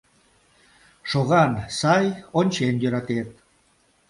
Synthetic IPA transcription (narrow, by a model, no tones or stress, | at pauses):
ʃoɣɑnsɑjonʲt͡ɕenjøɾɑt̪et̪̚